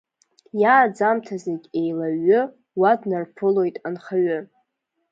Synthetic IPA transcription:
jaːd͡zamtʰazeɡʲʼejlaɥʏ | wadnarpʰɨlo̞jtʼanχaɥʏ

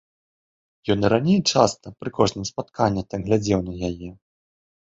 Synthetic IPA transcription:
jɔnɾanʲejt͡ʂast̪ɐpɾɨkɔʐnɨmspat̪kanʲːɐt̪amɣlʲad͡zʲɛwnɐjajɛ

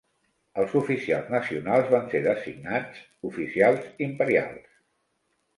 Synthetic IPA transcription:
əlˠzufisialˠznəsiunalˠzβanseðəsḭɡ̚nad͡z | ufisialˠzimpəɾia̰lˠs

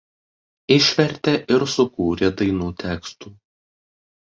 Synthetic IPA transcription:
ɪʃʲʋʲɛɾʲt̪ʲeʔɪɾsʊkuːɾʲed̪ɐɪnuːt̪ʲæːkst̪uː

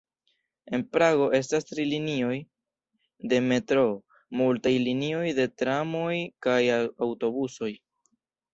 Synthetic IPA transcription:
e̞npɾaɡo̞ʔe̞s̬tastɾilinio̞j | de̞me̞tɾo̞ | multajlinio̞jde̞tɾamo̞jkajawto̞buso̞j

